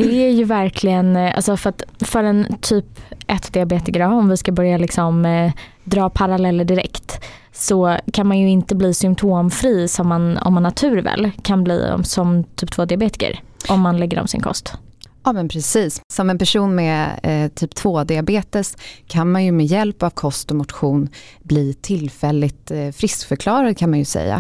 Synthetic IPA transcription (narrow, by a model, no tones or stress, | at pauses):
d̪̥ɛæjɵvæɾkʰlɪɡənʔa̰lsɔfœɾat̪fœɾɛnt̪ʰyːpʔɛt̪ːd̪ɪabeːt̪ɪkəɾaɔmvɪskabœɾjalɪksɔm | d̪ɾɑːpʰaɾalɛlːəd̪ɪɾɛ̰kt̪ | sɔkʰanmanjɵɪnt̪əbliːsʏmpt̪ʰoːmfɾiːsɔmːanɔ̰mːanːat̪ʰʉ̟ːɾvɛ̰ːlːkʰanblḭːɔ̰msɔmt̪ʰyːp̚t̪ʰvoːd̪ɪabeːt̪ɪ̥kə̰ɾʔɔmːanlɛɡːəɾɔ̰msɪ̰nkʰɔ̰st̪ɑːmɛnpʰɾɛsiːssɔmɛnpæʂuːnmɛt̪ʰyːpt̪ʰvoːd̪ɪabeːt̪əskʰanmanjɵmɛjɛlpavkʰɔst̪ɔmʊt̪ɧuːnbliːt̪ʰɪlfɛlːɪt̪fɾɪskfœɾkʰlɑːɾad̪̚kʰanmanjɵsɛ̰jːa̰